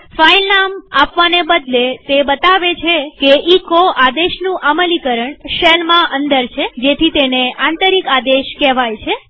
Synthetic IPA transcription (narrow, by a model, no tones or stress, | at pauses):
failnamapʋanebəd̪let̪ebət̪aʋet͡ʃʰekeʔikoʔad̪eʃnũʔaməlikəɾəɳʃelmãʔənd̪əɾt͡ʃʰed͡ʒet̪ʰit̪eneãnt̪əɾikad̪eʃkɛʋajt͡ʃʰe